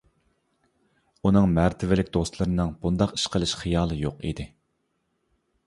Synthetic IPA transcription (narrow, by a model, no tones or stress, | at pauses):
unɨŋmæɾt̪ʰɪvɪlɪkʲd̪ost̪lˠɨɾɨnɨŋbund̪ɑqi̥ʃqəlˠɪʃχijɑːlˠɨjoqḭd̪ɪ